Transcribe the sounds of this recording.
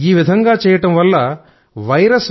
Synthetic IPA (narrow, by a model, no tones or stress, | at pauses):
iːʋid̪ʱɐŋɡaːt͡ʃɛːjɐʈɐmʋɐlːɐ | ʋɐjɾɐs